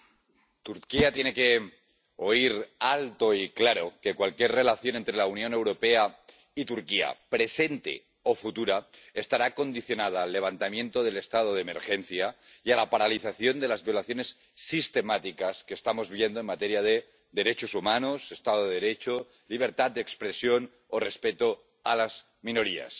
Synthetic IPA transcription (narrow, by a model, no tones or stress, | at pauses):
t̪uɾkiat̪je̞ne̞ke̞ | oiɾalt̪o̞iklaɾo̞ke̞kwalkjeɾre̞laθjo̞nent̪ɾe̞launjõ̞ne̞wɾo̞pe̞a | it̪uɾkia̰pɾe̞se̞nt̪ḛ | o̞fut̪uɾaest̪aɾako̞nd̪iθjo̞nað̞aːlːe̞β̞ant̪amjẽ̞nt̪o̞ðe̞le̞st̪að̞oðeme̞̰ɾxe̞n̟θja | ialapaɾaliθaθjo̞nd̪e̞lazβjo̞laθjo̞nesː | ist̪e̞mat̪ikaske̞ːst̪amo̞zβjend̪oenmat̪eɾiað̞e | ðe̞ɾe̞t͡ʃosumanose̞st̪að̞oðeðeɾet͡ʃo | liβ̞e̞ɾt̪at̪̚d̪ekspɾe̞sjo̞n | ore̞spe̞t̪o | alaz | mĩno̞ɾia̰s